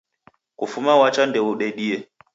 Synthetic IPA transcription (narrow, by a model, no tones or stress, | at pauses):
kufumawat͡ʃandɛuɗɛɗiɛ